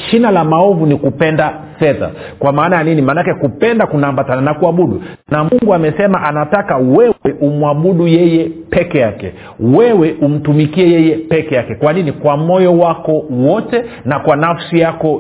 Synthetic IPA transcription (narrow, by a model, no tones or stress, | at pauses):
ʃinalamaɔvunikupɛndafɛða̰ | kwamaːnajaninimanakɛkupɛndakunaːmbatananakuaɓuɗṵnamuŋɡuamɛsɛmaʔanatakawɛwɛʔumuaɓuɗujɛjɛpɛkɛjakɛ̰ | wɛwɛʔum̩tumikiɛjɛjɛpɛkɛjakɛkwaninikwamɔjɔwakɔwɔtɛnakwanafsijakɔ